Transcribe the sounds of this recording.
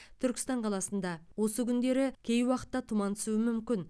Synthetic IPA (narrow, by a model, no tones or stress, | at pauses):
t̪ʰʏɾkʲɪ̥st̪ɑɴqʰɑlˠɑsənd̪ɑwo̞səkʲʰʏnd̪e̞ɾɪkʲʰe̞jwɑqə̥t̪ːɑt̪ʰumɑnt̪ʰɪ̥suɪmʏmkʲɪn